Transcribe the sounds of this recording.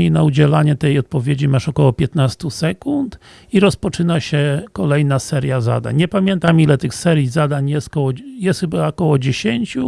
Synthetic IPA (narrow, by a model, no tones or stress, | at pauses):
inaud͡ʑɛlaɲɛt̪ɛjɔt̪̚pɔvʲjed͡ʑimaʂɔkɔwɔpʲjɛt̪nast̪usɛkunt̪ | iɾɔspɔt͡ʂɘnaɕɛkɔlɛjnasɛɾjaza̰d̪a̰ɲɲɛpamʲjɛnt̪amilɛt̪ɘxsɛɾjizad̪aɲjɛst̪̚kɔwɔjɛst̪xɘbakɔwɔd͡ʑeɕeɲt͡ɕu